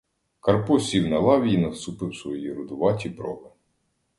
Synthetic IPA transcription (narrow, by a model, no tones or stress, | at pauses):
kɐrpɔsʲiwnɐlˠɑʋʲijinɐwst̪upɪwsʋɔjiɾʊd̪ʊʋɑtʲipɾɔ̰bɪ